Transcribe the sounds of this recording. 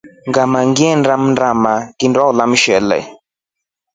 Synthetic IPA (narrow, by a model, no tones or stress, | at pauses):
ŋɡamaŋɡiɛndamndamakindwaulamʃɛlɛ̰